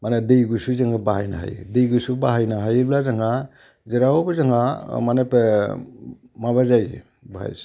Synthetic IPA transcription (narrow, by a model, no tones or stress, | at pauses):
manedejɡusuzɯŋɯbaɦajna̰ɦa̰jdejɡusubaɦajnaɦajblazaŋa | zeɾawobɯzaŋamanepe | maβazaj | baɦa̰js